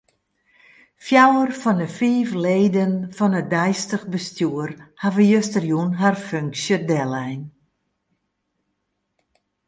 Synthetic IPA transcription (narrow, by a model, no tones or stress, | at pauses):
fjawərfɔnəfiːfleːdənfɔnədɛjstəɣbəstjuərhavəjøstərjunɦarføŋksjədɛlˠɛjn